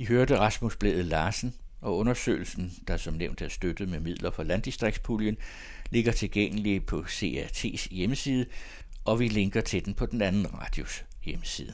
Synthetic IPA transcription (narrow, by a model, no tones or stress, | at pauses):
iɦøɐd̥əʁɑ̈smusb̥lḛːð̩ˠlɑ̈ːsn̩ | ʔɒ̽ɔ̽nɐsø̰ːl̩sn̩d̥ɑ̈sɒ̽mneʊ̰nd̥æɐsd̥ød̥ð̩ˠmemið̞̰ˠlɐfɒlænd̥isd̥ʁeɡ̥̚spʰuljən | le̝ɡ̥ɐt͡sʰe̝lɡ̥eŋ̰əlipʰɒ̽se̝ːæɐt͡sʰe̝̰ːsjeməsiːð̞ˠə | ʔɒ̽ʋile̝ŋɡ̥ɐt͡sʰe̝d̥enpʰɒ̽d̥enænn̩ʁɑ̰̈ːd̥jo̝s | jeməsḭːðˠə